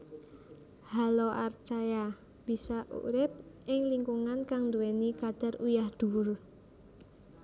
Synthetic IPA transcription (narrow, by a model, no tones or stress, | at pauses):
halɔʔart͡ʃaja | b̥i̤saʔṵɾɪp̚ʔɪŋliŋkuŋankaŋnd̪uwɛnikad̪̥a̤rujahd̪̥ṳʊr